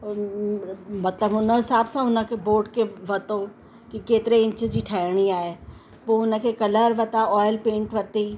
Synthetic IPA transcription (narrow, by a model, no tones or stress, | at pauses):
mɐt̪ləbʊnə̃ɦɪsaːbsãʊnə̃keboːʈkeʋɐt̪o | kikeːt̪ɪɾeɪ̃nt͡ʃəd͡ʒiʈʰɛːɽiaːe | ʋoʊnə̃kekɐləɾʋɐt̪aɔːjlpẽːɳʈʋɐt̪i